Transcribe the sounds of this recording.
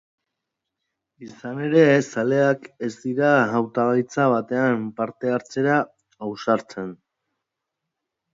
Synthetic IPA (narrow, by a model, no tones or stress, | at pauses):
isane̞ɾe̞sale̞ake̞zd̪iɾaawt̪aɣajt͡saβ̞at̪e̞ampaɾt̪e̞aɾt͡se̞ɾa | awsaɾt͡se̞n